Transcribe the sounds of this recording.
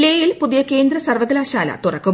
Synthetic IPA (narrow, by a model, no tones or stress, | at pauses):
leːjilpuðijɐke̞ːnd̪ɾɐsɐrʋɐðɐlaːɕaːlɐ̰t̪urɐkːu